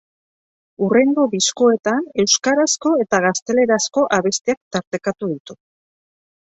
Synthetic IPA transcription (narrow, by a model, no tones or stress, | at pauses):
ure̞ŋɡo̞βisko̞e̞t̪ane̞wskaɾasko̞e̞t̪aɣast̪e̞le̞ɾasko̞ʔaβest̪eak̚t̪aɾt̪e̞kat̪uðit̪u